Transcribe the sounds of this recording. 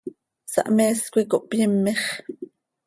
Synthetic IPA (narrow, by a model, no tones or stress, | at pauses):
sɑ̰ʔmeːskʷikoʔpjəmːeχ